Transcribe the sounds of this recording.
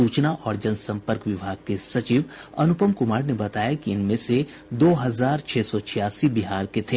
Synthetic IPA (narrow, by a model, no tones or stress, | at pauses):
suːt͡ʃnaʔɔːɾd͡ʒɐnsɐ̃mpəɾkʋɪbʱaːɡ̚kesɐt͡ʃiʋɐnʊpəmkʊmaːɾnebɐt̪aːjakiɪnmẽse | d̪oːɦɐzaːɾt͡ʃʰɛːsɔt͡ʃʰɪjaːsibiɦaːɾket̪ʰeː